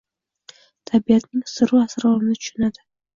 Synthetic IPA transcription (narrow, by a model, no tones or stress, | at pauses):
t̪ʰʼabijat̪ʰnɪŋsɨɾuasɨɾalmnɨt̪ʰʃʊnad̪ɨ